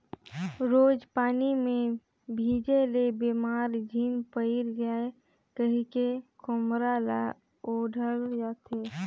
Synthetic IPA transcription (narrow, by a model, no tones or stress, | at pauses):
ɾoːd͡ʒpaːnimẽ | bʱiːd͡ʒelebeːmaːɾd͡ʒʱiːnpəɪɾd͡ʒaːe | kəɦikekʊmɾala̰ | oɖʱəljat̪ʰe